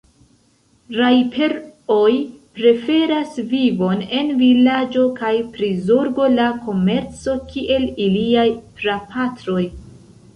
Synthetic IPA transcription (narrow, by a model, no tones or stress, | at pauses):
ɾajpʰe̞ɾojpɾe̞fe̞ɾasvivo̞ne̞nvilad͡ʒo̞kajpɾizoɾbo̞lako̞me̞ɾt͡so̞kiʔe̞liliajtɾapʰatɾo̞j